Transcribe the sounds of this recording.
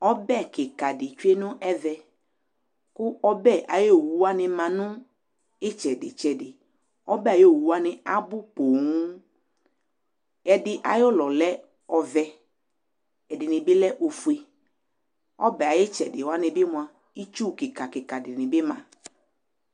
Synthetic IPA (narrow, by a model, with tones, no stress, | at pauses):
ɔ˦bɛ˦˨kɪ˨ka˨dɪ˨t͡ʃu˦e˦nʊ̃˦ʔɛ˦vɛ˨ | kʊ˦ɔ˦bɛ˦˨ʔa˨jo˦˨wu˨˦wa˦nɪ̃˦mã˨nʊ̃˦ | ɪ˦t͡ʃɛ˨dɪ̰˨t͡ʃɛ˨dɪ˨ | ɔ˦bɛ˦˨jo˦˨wu˨wa˦nɪ̃˨a˦bʊ˦po˨ŋu˦ | ɛ˨dɪ˦ʔa˨jɔ˦lɔ˨lɛ˦ | ɔ˨vɛ˦ | ɛ˨dɪ˨nɪ̃˨bɪ˦lɛ˦ʔo˨fu˨e˨ | ɔ̰˦bɛ˨a˨je˦t͡ʃɛ˨dɪ˨wa˦nɪ̃˨bɪ˦mʊ̃˨a˨ | i˦t͡ʃu˦˨kɪ˨ka˨kɪ˨ka˨dɪ˨nɪ̃˨bɪ˦mã̰˨